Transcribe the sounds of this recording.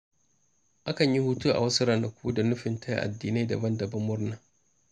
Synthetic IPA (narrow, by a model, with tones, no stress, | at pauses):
ʔa˦kɐ˨ɲji˦huː˦tu˦ʔa̰˨wɐ˦sʊ˦ɾa˨na˨kʷʰuː˦da˨nʊ˦ɸɪ˨ntʰa˦jʔa̰˨dːiː˨na˦dɐ̰˨bɐ˦ndɐ˨bɐ˦mːʊ˦rnaː˨